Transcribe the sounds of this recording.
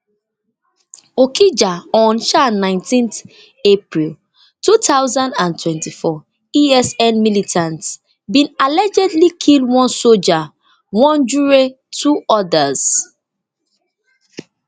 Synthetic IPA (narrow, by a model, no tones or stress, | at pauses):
okʰid͡ʒaɔ̃nʃanãɪ̃ntĩnθ | epɹil | tutaʊzãndãntʰwɛ̃ntifɔ | iɛsɛ̃nmilitʰãnt | bĩnalɛd͡ʒɛdlikʰilˠdwɔ̃nsold͡ʒa | wɔ̃nd͡ʒuɹe | tʰuɔdaz̥